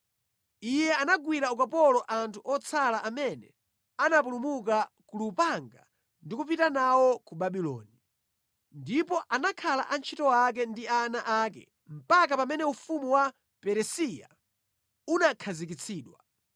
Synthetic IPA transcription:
ijɛanaɡwiɾaukapɔlɔʔantʰuʔɔt͡sʰalaʔamɛnɛ | anap̬ulumuk̬a | kulupaŋɡa̰ | ndikup̬itanawɔkubaɓilɔ̰ːni | ndipɔʔanakʰala̰ʔant͡ʃʰitɔwak̬ɛndianaʔakɛ̰ | m̩pakapamɛnɛufumuwa | pɛɾɛsija | unakʰazik̬it͡sʰiːɗwa

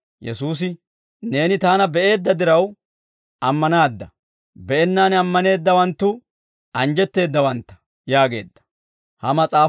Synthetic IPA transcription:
jɛ̰suːs̬ɪ | ne̞ːnɪt̪aːnɐbɛʔe̞ːd̪ːɐd̪ɪɾɐw | ʔɐmːɐnaːd̪ːɐ | bɛʔɛnːaːnɐmːɐne̞ːd̪ːɐwɐnt̪ːʊ | ʔɐnd͡ʒɛt̪ːe̞ːd̪ːɐwɐnt̪ːɐ̥ | jaːɡe̞ːd̪ːɐ̥ | hɐmɐt͡sʼaː

